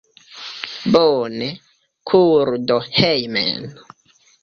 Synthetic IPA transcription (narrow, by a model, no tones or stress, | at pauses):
bɔne | kʰuɾdohejmḛn